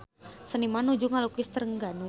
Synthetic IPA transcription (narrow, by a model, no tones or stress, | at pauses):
sənimanud͡ʒuŋalukist̪ərəŋɡanu